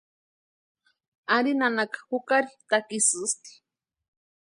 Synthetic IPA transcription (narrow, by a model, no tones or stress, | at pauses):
aɾinanakḁhukaɾit̪akisɨst̪i̥